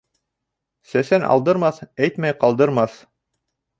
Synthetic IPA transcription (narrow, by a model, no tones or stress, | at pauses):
sæsænʔɑ̰lˠd̪ɤ̆ɾmɑθæjt̪mæjqɑlˠd̪ɤ̆ɾmɑθ